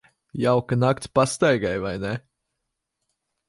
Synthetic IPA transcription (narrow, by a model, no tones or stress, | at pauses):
jawkanak̚t̪sʲpast̪ajɡajvajne